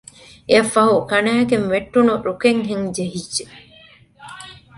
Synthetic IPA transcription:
eɐfːɐɦukɐnæːkeŋʋeʈːunuɾukeŋɦeŋd͡ʒeɦidːe

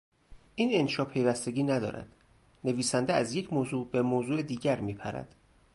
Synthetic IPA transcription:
ʔiːnenʃɒːpʰe̞jvæst̪e̞ɡʲiːnæd̪ɒ̰ːɾæ̰d̪̥ | ne̞viːsænd̪eæzje̞cʰmoːzuːbe̞moːzuːed̪iːɟæɾmiːpʰæ̰ɾæ̰d̪̥

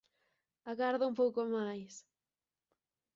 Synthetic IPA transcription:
aɣaɾðʊumpowkomajs

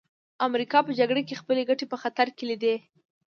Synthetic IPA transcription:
amɾikɑpəd͡ʒaɡɽekexpəleɡaʈepəxat̪aɾkelid̪e

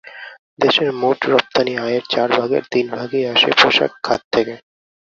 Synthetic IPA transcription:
d̪eʃeɾmoʈɾɔp̚t̪aniajeɾt͡ɕaɾbʱaɡḛɾt̪inbʱaɡiaʃḛpɾoʃa̰kkʰːa̰t̪ʰːeke

